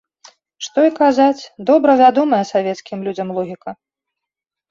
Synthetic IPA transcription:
ʂt̪ɔikazat͡sʲd̪ɔbɾɐvʲad̪ɔmɐjɐsavʲɛt̪skʲimlʲud͡zʲɐmlˠɔɣʲikɐ

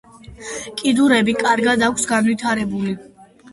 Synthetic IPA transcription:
kʼid̪uɾɛbikʼaɾɡad̪akʰsɡanvwit̪ʰaɾɛbuli

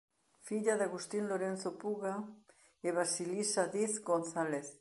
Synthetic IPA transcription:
fiʎaðaɣust̪inloɾen̟θopuɣa | eβasilisaðiθɡonθaleθ

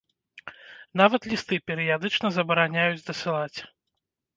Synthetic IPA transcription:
n̪avɐt̪lʲist̪ɨpʲɛɾɨjad̪ɨt͡ʂnɐzɐbɐɾanʲajud͡zʲd̪ɐsɨlˠat͡sʲ

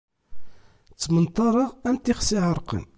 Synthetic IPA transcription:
t͡sːmənt̪ˤɑɾˤɑʁænt̪ːiχsiʕəɾˤqə̰n

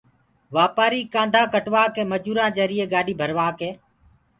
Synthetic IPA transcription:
ʋaːpaːɾiːkãːnd̪ʱãːkəʈʋaːkeːməd͡ʒuːɾãːd͡ʒəɾɪːeːɡaːɗiːbʱəɾʋaːkeː

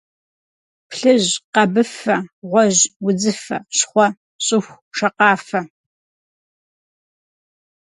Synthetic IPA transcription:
pɬɨʑqɐbɨfɐʁʷɔʑwʊd͡zɨfɐ̰ɕχʷɔ | ɕʼɪxʷ | ʂɐqɑːfɐ

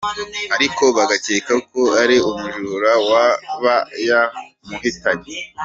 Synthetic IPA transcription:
aɾiko̞βaɡaceːkakoaɾiumuʒuɾuɾawaβaja | muɦitaɲe

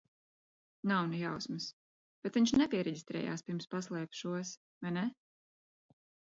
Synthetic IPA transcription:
nawnijawsmɨs | b̥ɛt̪viɲʃnɛpʲiɛɾɛɟʲist̪ɾɛ̰ːja̰ːspʲiɾmspaslˠɛːpʃuɔs | vajnɛ

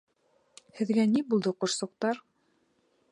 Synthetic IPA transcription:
hɘ̆ðɡænibulˠd̪ɤqŏɾsŏq̚t̪ɑɾ

